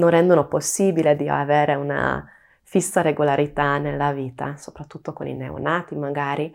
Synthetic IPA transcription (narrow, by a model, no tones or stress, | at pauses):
nonrɛnd̪onoposːiːbiled̪ia̰veːɾeuna̰ | fisːaɾeɡolaɾit̪anelːaviːt̪a̰so̥pɾat̪ːut̪ːokonḭnḛṵnaːt̪imaɡaːɾi